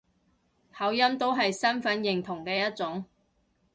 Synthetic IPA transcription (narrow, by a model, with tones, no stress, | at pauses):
hɐ˨˥wjɐ˥mt̪o˥wɦɐ˨jsɐ˥nfɐ˨˥njɪ˨˩ŋt̪ʰʊ˨˩ŋkɛː˧jɐ˥t̚t͡sʊ˨˥ŋ